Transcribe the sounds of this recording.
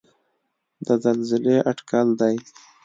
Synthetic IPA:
d̪əzalzɪleʔaʈkald̪aj

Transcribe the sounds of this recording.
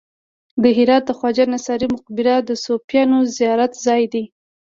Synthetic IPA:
d̪əɦɪɾɑt̪̚d̪əxwɑd͡ʒanasɑɾimʊq̚bɪɾad̪əsopjɑnozijɑɾat̪zɑjd̪i

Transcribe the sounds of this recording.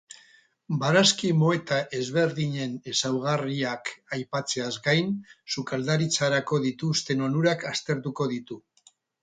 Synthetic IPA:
baɾaskimo̞e̞t̪aʔe̞zβe̞ɾðiɲe̞nesawɣariakajpat͡se̞azɡajnsukald̪aɾit͡saɾako̞ðit̪ust̪e̞no̞nuɾakast̪e̞ɾt̪uko̞ð̞it̪u

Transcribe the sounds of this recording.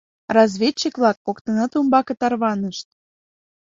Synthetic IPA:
rɑzβʲet͡ɕːikβlɑkːokt̪ɤnɑt̪umbɑkɤ̆t̪ɑrβɑnəʃt̪̚

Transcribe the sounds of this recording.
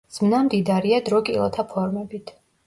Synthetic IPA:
z̥mnamd̪id̪aɾiad̪ɾɔkʼilˠɔ̰t̪ʰapʰɔɾmɛbit̪ʰ

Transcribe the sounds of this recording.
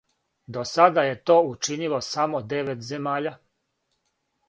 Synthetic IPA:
d̪o̞sad̪aje̞t̪o̞ːut͡ʃinilo̞samod̪e̞ʋet̪ze̞maːʎa

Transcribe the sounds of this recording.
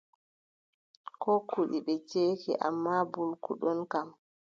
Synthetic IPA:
kɔkuɗiɓɛt͡ʃeːkɛ̰ʔa̰mːabulkṵɗɔnkam

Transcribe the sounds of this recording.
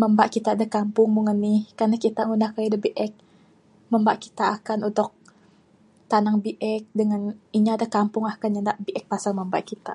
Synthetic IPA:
məmbaʔkit̪aːdakampʊŋmuŋənːɪhkanakit̪aŋunahkajadəbiʔɛk̚ | məmbaʔki̥t̪aːkanunt̪ʊk̚ | t̪anaŋbiʔɛk̚dəŋaniɲaadakampʊŋakanɲandaʔbiʔɛk̚pasalməmba̰ʔkit̪a

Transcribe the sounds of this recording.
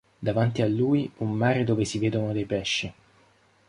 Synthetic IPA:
d̪avant̪ialːuːjumːaːɾed̪oːvesiveːd̪onod̪ejpɛʃːi

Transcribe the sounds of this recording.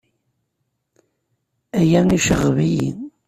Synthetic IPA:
æjæniʃəʁːvijḭn

